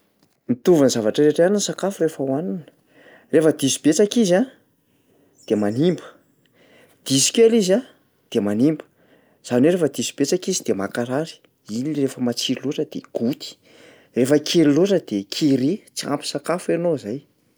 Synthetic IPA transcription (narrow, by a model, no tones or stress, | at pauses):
mit̪uvanzavaʈ͡ʂəɾeʈ͡ʂaninisakafurefəwanunə̥ | refəd̪isi̥bet͡sakiza | d̪̥emanimbə̥ | d̪̥isi̥kʲeliza | d̪̥emanimbə̥ | z̥aneɾefəd̪isi̥b̥et͡sakizid̪̥emakaɾaɾi̥ | iniirefəmat͡siɾluʈ͡ʂəd̪̥ḛɡ̥ut̪i̥ | refəkʰeɾiluʈ͡ʂəd̪̥ekʰiɾet͡sia̰mpi̥sakafenozaj